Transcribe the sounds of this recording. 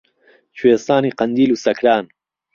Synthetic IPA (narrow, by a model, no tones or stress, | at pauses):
t͡ʃʰwest̪aːniːqɐnd̪iːluːsɐkʰɾaːn